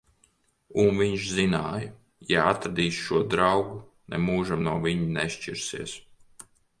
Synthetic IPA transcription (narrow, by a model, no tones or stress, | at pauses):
unviɲʃzinaːjə | jaat̪ɾad̪iːsʃuɔd̪ɾawɡu | nɛmuːʒamnuɔvʲiɲinɛʃt͡ʃiɾsiɛs